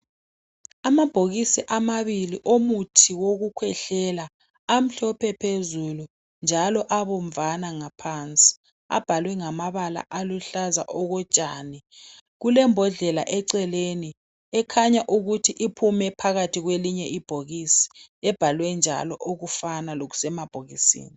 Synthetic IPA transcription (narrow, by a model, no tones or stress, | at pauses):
amab̥ʱoɣisiʔamaβiliʔomutʰiwoɣukʰwɛɬɛlaː | m̩ɬɔpʰɛpʰezulu | nd͡ʒʱalɔʔaβoɱ̩vanaŋapʰant͡sʼi̥ | a̰b̥ʱalwɛŋamaβala̰ʔaluɬaza̰ʔɔɣɔt͡ʃʼaːni | ɣulɛmbʱɔɮɛla̰ʔɛǀɛleni | ɛkʰaɲaʔuɣutʰiʔipʰumɛpʰaɣatʰiɣweliɲɛʔib̥ʱoɣisi̥ɛb̥ʱalwɛnd͡ʒʱa̰lɔʔoɣufanaloɣu̥sɛmab̥ʱoɣisḭːni